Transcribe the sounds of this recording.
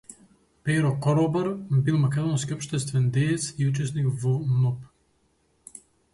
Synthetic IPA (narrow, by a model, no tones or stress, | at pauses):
pɛɾɔkɔɾɔbɛɾbilˠmɐkʲɛd̪ɔnskʲiɔpʃt̪ɛst̪vɛnd̪ɛjɛt̪siut͡ʃɛsnikvɔnɔp